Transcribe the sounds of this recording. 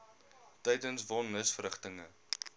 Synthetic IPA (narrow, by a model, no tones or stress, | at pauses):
tɛjdənsvɔnːəsfrəχtəŋə